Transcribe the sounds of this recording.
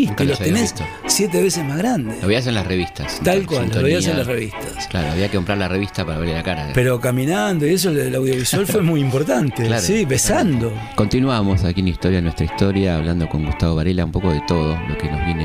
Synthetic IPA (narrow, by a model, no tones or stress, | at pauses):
it̪ellost̪enes | sjet̪eβesesmazɣɾand̪eoβias̬enlasreβist̪ast̪alkwalnooβiaelasreβist̪ḁsklaɾoa̰βiakekompɾaɾlareβist̪apaɾaβeɾlelakaɾa̰ðḛpeɾo̞kamĩnand̪oies̬olawðjo̞βiswalfwemujimpo̞ɾt̪ant̪elasiβesand̪o̞ | ko̞nt̪inwamosakinist̪oɾjaðenwest̪ɾaist̪oɾjaːβland̪o̞ko̞ŋɡust̪aβoβaɾelaumpo̞koðet̪o̞ðolokenozβjine